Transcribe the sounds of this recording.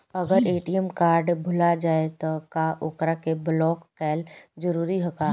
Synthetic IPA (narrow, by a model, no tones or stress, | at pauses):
əɡəɾeːʈijəmkaːɾɖbʱʊlad͡ʒaːet̪ɔkaʔokɾakeblɔːkːɛːld͡ʒəɾuːɾiɦokaː